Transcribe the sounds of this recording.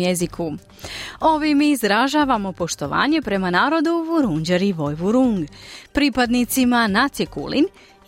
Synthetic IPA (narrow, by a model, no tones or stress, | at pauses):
jezikʰu | o̞ʋimiːzɾaʒaːʋamo̞po̞ʃt̪o̞ʋa̰ːɲe̞pɾe̞manaːɾo̞d̪uʋuɾuɲd͡ʑeɾiʋo̞jʋuɾuŋɡpɾipad̪nit̪simanat̪sjekṵlḭn